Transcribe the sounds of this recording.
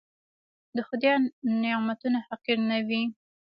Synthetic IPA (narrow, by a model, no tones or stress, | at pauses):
d̪əxʊd̪jɑnnemat̪unahaqiɾnawi